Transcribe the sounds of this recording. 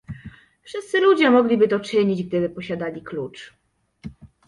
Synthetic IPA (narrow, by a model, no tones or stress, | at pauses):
fʂɘst̪sɘlud͡ʑɛmɔɡlʲibɘt̪ɔt͡ʂɘɲid͡ʑɡ̚d̪ɘbɘpɔɕad̪alʲiklut͡ʂ